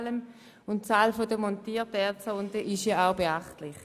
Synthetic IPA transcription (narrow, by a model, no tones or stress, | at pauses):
ləm | ʊnt̚t͡saːlfodəmɔntiːtɛɐt͡səʊndəʔɪʃjaaʊbeaχtlɪχ